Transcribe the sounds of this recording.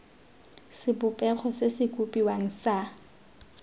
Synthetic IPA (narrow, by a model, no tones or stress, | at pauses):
sɪbʊpʼɛk͡xʰɔsesɪkʼupʼiwaŋ̩sa